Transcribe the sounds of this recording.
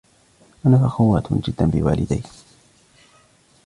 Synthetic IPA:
ʔanafaxʊwːaːt̪d͡ʒɪd̪ːanbɪ̰wa̰ːlɪ̰d̪a̰j

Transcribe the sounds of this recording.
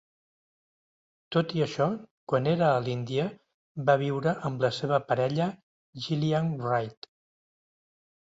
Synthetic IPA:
t̪ot̪iəʃɔkwaneɾəːlind̪iə | baβ̞iwɾəʔəmləseβ̞əpəɾɛʎə | ʒilianrajt̪

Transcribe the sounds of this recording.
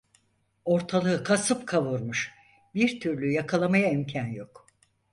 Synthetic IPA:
o̞ɾt̪ʰalˠɯɯkʰasɯpkʰavuɾmuʃ | biɾt̪ʰyɾlʲyjakʰalˠamajaimcʰanjo̞k

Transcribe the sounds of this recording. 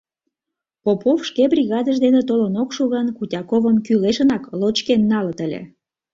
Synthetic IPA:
popofʃkebrʲiɣɑd̪əʒd̪enet̪olənokʃuɣɑnkutʲɑkovəmkyleʃənɑklot͡ɕkenːɑlət̪əlʲḛ

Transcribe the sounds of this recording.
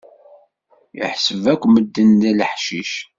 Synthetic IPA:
jə̰ħsəvækʷːməd̪ːənðæləħʃiʃ

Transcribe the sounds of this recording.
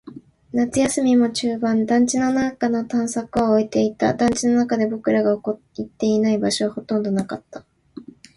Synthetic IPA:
nat͡sɨjasɨmʲimo̞t͡ɕɨːbãnd̪ãɲ̟t͡ɕinonakanot̪ãɰ̃sakɯ̟oːit̪eit̪a̰d̪ãɲ̟t͡ɕino̞nakad̪e̞bo̞kɯ̟ɾaɡaoko | it̪ːe̞inaibaɕo̞βaho̞t̪õ̞nd̪o̞nakat̪ːḁ

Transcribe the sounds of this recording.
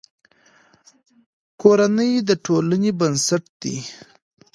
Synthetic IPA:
koɾanəjd̪əʈʰolanebənsaʈd̪ḭ

